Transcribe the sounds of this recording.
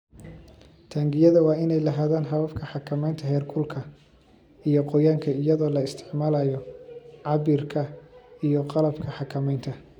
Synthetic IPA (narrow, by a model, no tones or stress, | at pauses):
t̪ʰaːŋɡɪjɐðɐwɑːɪnɛjlɐɦaːðaːnɦɐβɐfkʰɐħɑkʰɐmɛjnt̪ʰɐhɛːrkʰʊlkʰɐ | ijɔqɔjaːŋkʰɐɪjɐðɔːlɐɪst̪ʰɪ̥ʕmaːlaːjɔʕɑβiːrkʰɐijɔqɑlɐbkʰɐħɑkʰɐmɛjnt̪ʰɐ